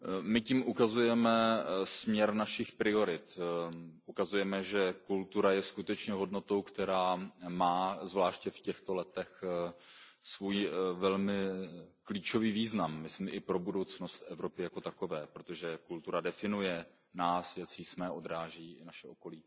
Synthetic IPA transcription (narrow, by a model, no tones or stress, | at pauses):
mɪcimʔukazujɛmɛsmɲɛɾnaʃɪxpɾɪo̞ɾɪt̪ | ʔukazujɛmɛʒɛkult̪uɾajɛskut̪ɛt͡ʃɲɛɦo̞dno̞t̪o̞wkt̪ɛɾaːmaːzvlaːʃcɛfcɛxt̪o̞lɛt̪ɛx | svuːjvɛlmɪkliːt͡ʃo̞viːviːznamːɪsmɛʔɪpɾo̞budo̞wt͡sno̞st̪ʔɛvɾo̞pɪjako̞t̪ako̞vɛːpɾot̪o̞ʒɛkult̪uɾadɛfɪnujɛ | naːsjat͡sismɛːʔo̞d̪ɾaːʒiːʔɪnaʃɛʔo̞ko̞liː